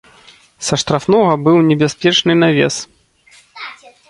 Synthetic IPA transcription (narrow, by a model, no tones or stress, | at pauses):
sɐʂt̪ɾafnɔɣɐbɨwnʲɛbʲasʲpʲɛt͡ʂnɨnavʲɛ̰s